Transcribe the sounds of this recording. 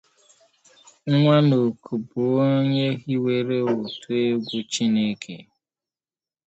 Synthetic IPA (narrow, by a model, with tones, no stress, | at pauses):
ŋ˦ŋʷa˦no˨kʰu˨bu˨o˦ɲe˦ɣi˦we˦˨ɾe˦o˨tu˦e˦ɡʷu˦t͡ʃi˦ne˦kʰḛ˨